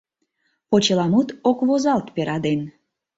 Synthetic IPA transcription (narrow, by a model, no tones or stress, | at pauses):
pot͡ɕəlɑmut̪okβozɑlt̪peɾɑd̪en